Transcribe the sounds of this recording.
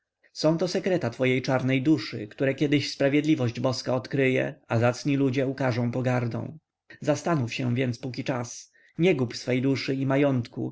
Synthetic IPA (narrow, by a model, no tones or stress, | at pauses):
sɔ̃w̃t̪ɔsɛkɾɛt̪at̪fɔjejt͡ʂaɾnɛjd̪uʂɘ̰kt̪uɾɛkʲjɛd̪ɘɕspɾavʲjɛd̪lʲivɔʑd͡ʑbɔskaɔt̪kɾɘjɛ̰azat̪sɲilud͡ʑɛukaʐɔ̃w̃pɔɡaɾd̪ɔ̰̃w̃ | zast̪anufɕɛvʲjɛnt̪spukʲit͡ʂas | ɲɛɡupsfɛjd̪uʂɘimajɔnt̪kṵ